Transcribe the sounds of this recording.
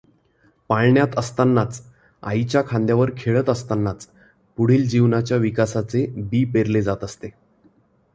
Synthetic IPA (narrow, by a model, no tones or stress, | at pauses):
paɭɳjat̪əst̪anːat͡s | a̰it͡ɕjakʰãnd̪jaʋəɾkʰeɭət̪əst̪anːat͡s | puɽ̤iːld͡ʑiʋnat͡ɕjaʋikasat͡sebiːpeɾled͡zat̪əst̪e